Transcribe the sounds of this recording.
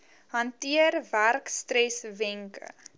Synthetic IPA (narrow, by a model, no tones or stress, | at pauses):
ɦɐntiərværkstrɛsvɛŋkə̰